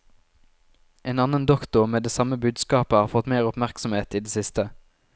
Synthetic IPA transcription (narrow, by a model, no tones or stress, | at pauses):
ʔeːnɑnənd̪ɔkt̪ʊmeːd̪eːsɑməbʉːd̪skɑːpəhɑːʁfɔt̪meːʁʊpmæʁksɔmheːt̪iːd̪eːsɪst̪ə